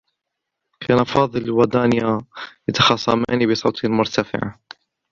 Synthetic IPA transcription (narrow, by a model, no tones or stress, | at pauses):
kʰaːnafɑːðˤɨlwad̪aːnjajat̪ɑ̥xɑsˤːɑmaːnibɪsˤɑːt̪ˤalmʊɾt̪afɪ̰ʕa̰